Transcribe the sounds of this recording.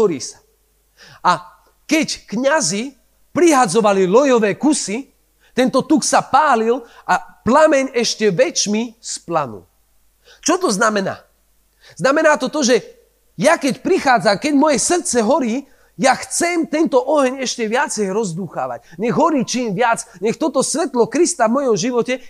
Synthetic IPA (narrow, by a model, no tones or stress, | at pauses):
ɦɔɾḭːsḁ | a | kɛckɲazi | pɾiɦad͡zɔʋalilɔjɔʋɛːkusi | t̪ɛnt̪ɔt̪uksapaːlilʔaplamɛɲɛʃcɛʋɛt͡ʃmisplanṵl | t͡ʃɔt̪ɔznamɛna̰ː | z̥namɛnaːt̪ɔt̪ɔʒɛ | jakɛcpɾixaːd͡zamkɛɟmɔjɛsr̩tt͡sɛɦɔɾiː | jaxt͡sɛmt̪ɛnt̪ɔʔɔɦɛɲɛʃcɛʋɪat͡sɛjɾɔzd̪uːxa̰ːʋa̰ɟɲɛɣɦɔɾiːt͡ʃiːmʋɪad͡zɲɛxt̪ɔt̪ɔsʋɛt̪lɔkɾist̪avmɔjɔmʒiʋɔcɛ